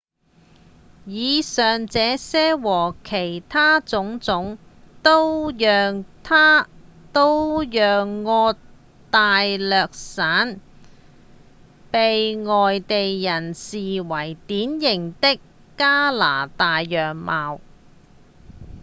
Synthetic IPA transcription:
jiː˨˧sœː˨ŋt͡sɛː˨˧sɛː˥wɔː˨˩kʰe˨˩jt̪ʰaː˥t͡sʊ˨˥ŋt͡sʊ˨˥ŋ | t̪o˥wjœː˨ŋt̪ʰaː˥t̪o˥wjœː˨ŋːɔː˧ | t̪aː˨jlœː˨k̚saː˨˥n | pe˨jŋɔː˨jt̪e˨jjɐ˨˩nsiː˨wɐ˨˩jt̪iː˨˥njɪ˨˩ŋt̪ɪ˥kː | aː˥laː˨˩t̪aː˨jːœː˨ŋmaː˨˧w

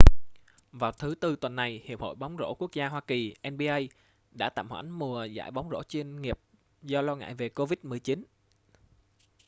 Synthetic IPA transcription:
vaː˨˩wt̪ʰɨ˨˦t̪ɨ˧t̪wə˨˩nːa˨˩jhi˨˩əp̚ho̰˧˨jɓa˨˦wŋ͡mzo̰˧˥ku˦˥ək̚zaː˧ɦwaː˧ki˨˩ʔɛ˧nɓi˧ʔə˧j | ɗa̰ː˧˥t̪a̰ː˧˨mhwa̰˧˩nmu˨˩əza̰ː˧˥˩jɓa˨˦wŋ͡mzo̰˧˥t͡ɕwi˧ənŋi˨˩əp̚ | zɔ˧lɔː˧ŋa̰ː˧˨jve˨˩ko˧vi˦˥t̚mɨ˨˩əjt͡ɕi˨˦n

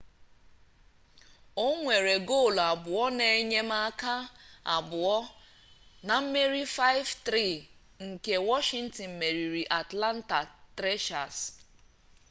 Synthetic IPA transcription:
o˦ŋʷe˨ɾe˨ɡo˦˨la˨bʊ˨ɔ˦ne˨˦ɲe˦m˦a˦ka˦a̰˨bʊ˨ɔ˦ | na˨m̩˦me˦ɾi˦fa˦ɪ˦vt̪ɾi˦˨ | ŋ̩˨ke˦wɔ˦ʃi˦n̩˦tɔ˨n̩˨me˨ɾi˨ɾi˨ʔa˨tla˦n̩˦ta˨tɾe˦ʃa˨s

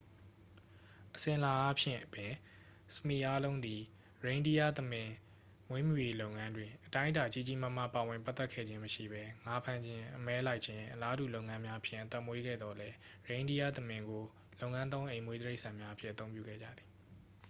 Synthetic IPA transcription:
ʔəsɪ̃˨ʔə˨la˨ʔa˦pʰjɪ̰̃˦˨ʔəpjɪ̃˨ | səmi˨ʔa˦lõ˦ʊ̃nd̪i˨ | ɹẽ˨ɪ̃ndi˦ja̰˦˨t̪əmɪ̃˨ | mwe˦mju˦˨je˦lo˦ʊʔŋã˦ndwɪ̃˨ʔətã˦ɪ̃˦da˨t͡ɕi˦˨t͡ɕi˨ma˦˨m̥ä̰˦˨pa˨wɪ̃˨mpa˦t̪ːɛ˦kʰɛ̰˦˨d͡ʑɪ̃˦məʃḭ˦˨bɛ˦ŋa˦pʰã˦˨ɲd͡ʑɪ̃˦ʔəmɛ˦la˦ɪʔt͡ɕʰɪ̃˦ʔəla˦dṵ˦˨lo˦ʊŋã˦mja˦ʔəpʰjɪ̰̃˦˨ʔət̪ɛ˦ʔmwe˦ɡɛ̰˦˨d̪ðɔ˨lɛ˦ | ɹẽ˨ɪ̃ndi˦ja̰˦˨t̪əmɪ̃˨ŋɡo˨ | lo˦ʊʔŋã˦nt̪̬õ˦ʊ̃ʔẽ˨ɪ̃mwe˦d̪əɹe˦ɪʔsã˨mja˦ʔəpʰjɪ̰˦ʔət̪θõ˦ʊ̃mpjṵ˦˨ɡɛ̰˦˨d͡ʑä̰˦˨d̪ði̥˨

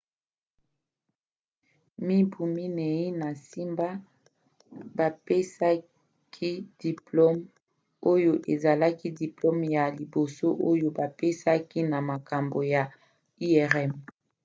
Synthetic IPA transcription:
mi˦bu˨mi˦ne˨i˦na˨si˦mba˦ | ba˨pe˦sa˦ | kʰi˦d̥i˨plo˦m | o˦jo˦ʔe˨za˨la˦ki˦di˨plo˦mja˨li˨bo˨so˦ʔo˦jo˦ba˨pe˦sa˦ki˦na˨ma˨ka˨mbo˨ja˨ | i˦ɛ˨ʁɛ˦m

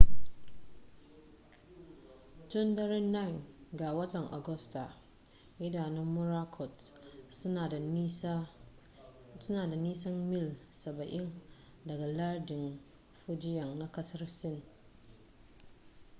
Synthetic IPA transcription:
tʊ˦ndɐ˦ɾɪ˦na˦˨nɡaː˨wɐ˦tɐ˨ŋʔa̰˨ɡɔ˦sta˨ | jɪ˦da˨nɪ˦mʊ˦ɾa˦kʰɔ˨t | a˨˦ | sʊ˦naː˨da˨niː˦sɐ˦mmɪ˦l | sɐ˨bɐ˨ʔɪ˦n | dɐ˨ɡa˨la˦dɪ˨ŋ | fo˦d͡ʒɪ˦ja˨ŋna˦kɐ˦sɐ˦ɾsɪ˦˨n˨

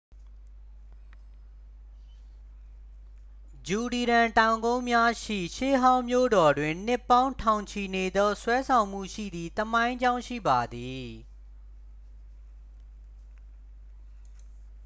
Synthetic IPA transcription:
d͡ʑu˨li˨ɾã˨ntã˨ʊ̃ŋɡõ˦ʊ̃mja˦ʃḭ˦˨ʃe˦˨ɦã˦ʊ̃mjo̰˦˨dɔ˨dwɪ̃˨n̥ɪ˦pːã˦ʊ̃ntʰã˨ʊ̃ɲt͡ɕʰi˨ne˨d̪ɔ˦swɛ˦sʰã˨ʊ̃m̥ṵ˦˨ʃḭ˦˨d̪ði˦t̪əmã˦ɪ̃ɲd͡ʑã˦ʊ̃ʃḭ˦˨ba˨d̪i˨

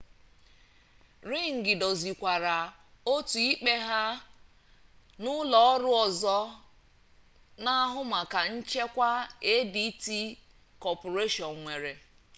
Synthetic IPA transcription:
ɾi˦˨ŋ̩˨ɡɪ˨do˨zi˨kʷa˨ɾa˨ | o˦tu˨i˦k͡pe˦ɦa˦ | nʊ˦lɔ˨ɔ˦ɾʊ˦ɔ˨zɔ˦ | na˦ɦʊ˦ma˨ka˨n̩˦t͡ʃe˦kʷa˦e˦di˦ti˦ | kɔ˨po˨ɾe˦ʃɔ˨ŋ˨ŋʷe˨ɾe˨

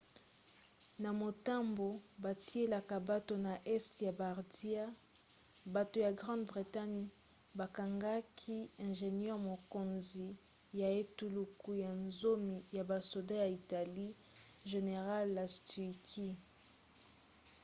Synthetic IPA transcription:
na˨mo˨ta˦mbo˨ba˨ti˦e˦la˨ka˨ba˦to˨na˨ʔɛ˦stja˨ba˨ʁdi˦a˦ | ba˨to˨ja˨ɡʁɑ̃˦ndbʁi˨ta˦ɲ˦ | ba˨ka˨ŋɡa˦kʰi˦ɛ̃˨ʒe˨nɛ˦ʁmo˨ko˨nzi˨ | ja˨e˦tu˨lu˨ku˨ja˨nzo˦mi˨ja˨ba˨so˨da˦ja˨i˨ta˨li˦ | ʒe˨ne˨ʁa˦lːa˨sti˨kʰi˦

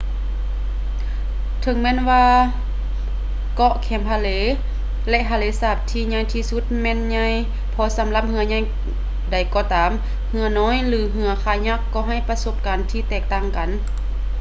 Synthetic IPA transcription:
t̪ʰɤ˧˦ŋmɛː˧˥˨nʋaː˧ | kɔ˧ʔkʰɛː˨˩mpʰaː˧˩leː˨˦ | lɛ˧ʔɦʰaː˧leː˨˦saː˧˩p̚t̪ʰiː˧ɲa˧˩jt̪ʰiː˧su˧˦t̪̚mɛː˧˥˨nɲa˧j | pʰɔ˧sa˨˦mla˧p̚hɯ˧ɐɲa˧˥˨j | da˨˩jkɔː˧˩t̪aː˨m | hɯ˧ɐnɔː˧˥˨jlɯː˨˧˦ɦɯ˧ɐkʰaː˧˩ɲa˧˥kːɔː˧ɦa˧˩˨jpa˧so˧˥p̚kaː˨nt̪ʰiː˧˩t̪ɛː˧˩k̚t̪aː˧˩˨ŋka˨n

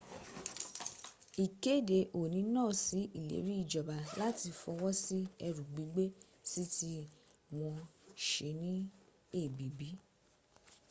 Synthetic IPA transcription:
i˨ke˦˨de˨ʔo˨nĩ˨˦nãː˦˨si˨˦i˦˨lḛ˨˦ɾi˦i˦˨d͡ʒɔ˨ba˨la˦ti˧fɔ˧wɔ˦si˦ɛ˧ɾũ˨ɡ͡bi˨˦ɡ͡be˦ | si˦ti˦ | w̃ɔ̃˧ʃe˧˦nĩ˦ | e˦˨bi˨˦bi˨˦

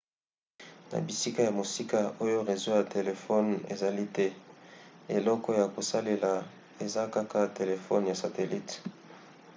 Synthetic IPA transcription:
na̰˨bi˨si˦ka˦ja˨mo˨si˦ka˦o˦jo˦ʁe˨zo˦ja˨te˨le˨fɔ˦nḛ˨za˨li˦tɛ˦ | e˨lɔ˦kɔ˦ja˨ko˨sa˦le˨la˨ | e˨za˦ka˦ka˦te˨le˨fɔ˦n˨ja˨sa˨te˨li˦t

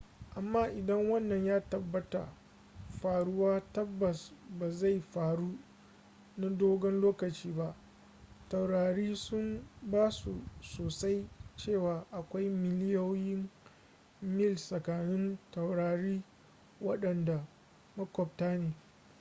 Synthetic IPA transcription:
ʔa˨mːaː˦˨ʔɪ˨dɐ˦ŋwɐ˦˨nːɐ˨ɲjaː˦tɐ˨bːɐ˦ta̰˨ | ɸaː˨ɽʊ˦waː˦tɐ˦bːɐ˨sba˨za˦˨jɸaː˨ɽu˦ | na˦doː˦ɡɐ˦nloː˦kɐ˨t͡ʃiː˦ba˦ʔ | tɐ˨wɽaː˨ɽiː˦sʊ˦mbaː˦sṵ˨soː˨sa˦jt͡ʃeː˦˨waː˨ʔa˨kʷa˦jmɪ˨lɪ˦jo˦jɪ˦m | mɪ˦˨lsɐ˨kaː˨nɪ˦ntɐ˨wɽaː˨ɽiː˦ | wɐ˦ɗɐ˨nda˨ | mɐ˦kʷɔ˨b̚taː˦neː˨

